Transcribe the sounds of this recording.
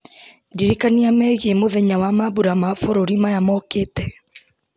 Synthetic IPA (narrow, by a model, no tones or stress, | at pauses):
diɾikaniamɛɣemoðɛɲawamaβuɾamafoɾoɾimajamɔkeːtɛ